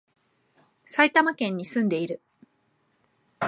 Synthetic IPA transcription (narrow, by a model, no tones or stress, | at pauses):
sait̪amakẽ̞ɲ̟ːisɨ̃nd̪e̞iɾɯ̟